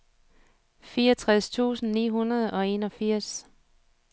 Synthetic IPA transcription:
fiːɐʌt͡sʰʁast͡sʰṵːsn̩nḭːɦunɐð̞̩ˠɒ̽e̝nɒ̽fiɐ̰s

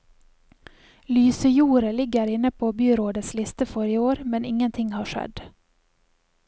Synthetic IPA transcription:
lyːsəjuːɾəlɪɡəɾɪnəpʰoːbyːɾoːd̪ət̪slɪst̪əfɔɾɪoːɾmɛnɪŋənt̪ʰɪŋhɑːʃɛ̰d̪

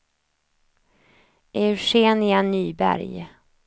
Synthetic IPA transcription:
ʔɛʉʂeːnɪanyːbæ̰ɾj

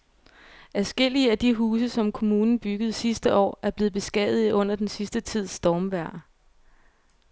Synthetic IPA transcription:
æsɡ̥el̰iəæd̥iɦuːs̬əsɒ̽mkʰo̝muːnn̩b̥yɡ̥əð̞̩ˠsisd̥əɒ̰ːæɐb̥le̝ːð̞̩ˠb̥e̝sɡ̥ɛ̰ð̰ˠð̩ˠiʔɔ̽n̰ɐd̥ensisd̥ət͡sʰið̞̰ˠsd̥ɒːmʋæɐ̰

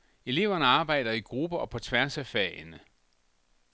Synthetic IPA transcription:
e̝le̝̰ʊɐnəɑ̈ːb̥ɑ̈ɪ̰d̥ɐiɡ̥ʁub̥ɐɒ̽pʰɒ̽t͡sʰʋæɐsæfɛnə

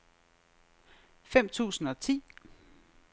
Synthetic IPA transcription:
fem̰t͡sʰṵːsn̩ɒ̽t͡sʰḭː

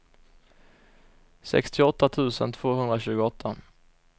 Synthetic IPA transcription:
sɛ̰kst̪ʰɪɔt̪ːat̪ʰʉ̟ːsə̰nt̪ʰv̥oːhɵnd̪ɾaɕʉ̟ːɡʊɔt̪ʰːa

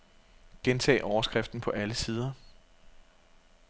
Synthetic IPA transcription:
ɡ̥ent͡sʰɛ̰ːʔɒʊɐsɡ̥ʁɛfd̥n̩pʰɒ̽ʔæləsiːð̞ˠɐ

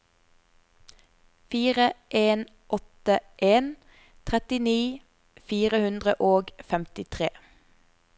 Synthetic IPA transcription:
fiːʁəʔeːn | ʔɔt̪əʔeːn | t̪ʰʁɛt̪ɪniː | fiːʁəhʉnd̪ʁəʔoːɡfɛmt̪ɪt̪ʰʁeː

